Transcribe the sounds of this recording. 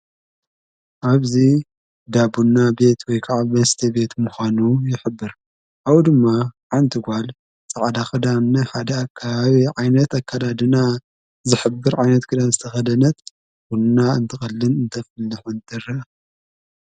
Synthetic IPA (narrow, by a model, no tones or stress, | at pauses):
ʔaβzi | d̪abunːabe̞t̪ʰwɔjkʰaʕaβmɐst̪ʰɐbe̞t̪muxanujɪħɨbːɨɾ | ʔawd̪ɨmːaʕant̪ʰɨɡʷal | t͡sʼaʕd̪axʼɐd̪amnɐħad̪ɐakʰːaβaβiʕajnɐt̪akʰːalad̪ɨna | zɨħɨbːɨɾʕajnɐt̪kʰɨd̪anzɨt̪ʰɐxɐd̪ɐnɐt̪ | wunnaɨnt̪ʰɨxʼɐlːɨnɨnt̪ʰɐfɨlːɨħunt̪ʰɨɾɐ